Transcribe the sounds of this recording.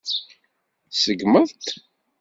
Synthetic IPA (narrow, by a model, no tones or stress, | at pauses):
səɡməðˤt̪